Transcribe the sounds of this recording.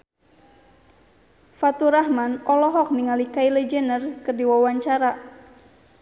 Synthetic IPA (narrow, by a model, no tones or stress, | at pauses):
fat̪uɾahmanʔɔlɔɦɔk̚niŋalikailɛd͡ʒɛnərkɨrdiwawaɲt͡ʃaɾa